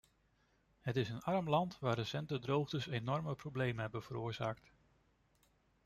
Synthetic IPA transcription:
ɦətɪsənɑɹəmlɑntʋaːrɾəsɛntədrowχdəsejnɔɹməprowblejmənɦɛbənv̥əɾʊːɹzaːkt

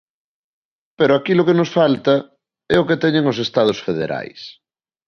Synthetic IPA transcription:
peɾoakilokenosfalt̪ɐ | ɛoket̪ɛɲẽŋosest̪að̞osfeð̞ḛɾa̰js

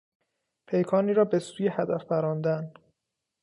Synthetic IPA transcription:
pʰe̞jkʰɒːniːɾɒːbe̞suːjehæd̪æfbæɾɒːnd̪æn

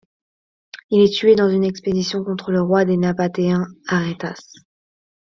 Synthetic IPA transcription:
ilɛt̪ɥed̪ɑ̃zynɛksped̪isjɔ̃kɔ̃t̪χələʁwad̪enapat̪eɛ̃aʁet̪as

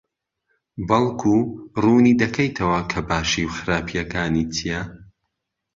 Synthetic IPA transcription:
bɐlˠkʰuruːnid̪ɐkʰejt̪ʰɐwɐkʰɐbaːʃiwxɨɾaːpʰijɐkaːnit̪ʰijɐ

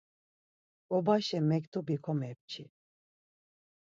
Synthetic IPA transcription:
ɔbaʃɛmɛkt̪ubikʰɔmɛp̚t͡ʃʰi

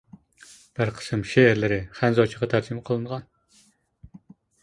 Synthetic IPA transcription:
b̥æɾqʰə̥sɨmʃeːɾlɪɾɪχænzɑt͡ʃʰiʁɑt̪ʰæɾd͡ʒimqʰəlˠɨɴʁɑn

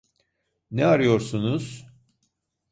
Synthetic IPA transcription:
nɛaɾɯjo̞ɾsunuz̥

